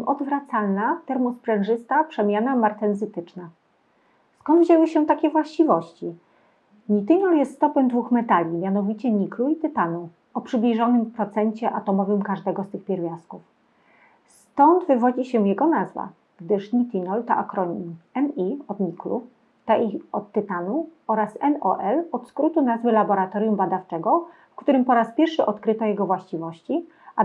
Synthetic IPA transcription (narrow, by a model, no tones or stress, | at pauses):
ʔɔd̪vɾat̪salnat̪ɛɾmɔspɾɛnʐɘst̪apʂɛmʲjanamaɾt̪ɛnzɘt̪ɘt͡ʂna | skɔnd̪vʑewɘɕɛt̪akʲɛvwaɕt͡ɕivɔɕt͡ɕi | ɲit̪ɘnɔljɛst̪st̪ɔpɛmd̪vuxmɛt̪alʲimʲjanɔvʲit͡ɕɛɲikluit̪ɘt̪anɔ̃w | ɔpʂɘblʲiʐɔnɘmpɾɔt̪sɛɲt͡ɕɛʔat̪ɔmɔvɘmkaʐd̪ɛɡɔst̪ɘxpʲɛɾvʲjaskuf | st̪ɔnd̪vɘvɔd͡ʑiɕɛ̃jɛɡɔnazva̰ | ɡ̥d̪ɘʂɲʲit̪ʲinɔlt̪a̰ʔa̰kɾɔɲimɛniɔd̪ɲiklṵ | t̪aʔiɔt̪ːɘt̪anuɔɾasɛnɔʔɛlɔt̪skɾut̪unazvɘlabɔɾat̪ɔɾʲjumbad̪aft͡ʂɛɡɔfkt̪uɾɘmpɔɾaspʲjɛɾfʂɘʔɔt̪kɾɘt̪ɔjɛɡɔvwaɕt͡ɕivɔɕt͡ɕi | a